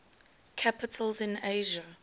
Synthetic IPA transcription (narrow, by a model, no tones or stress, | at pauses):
kʰapɪtʰəlzɪ̃neʒa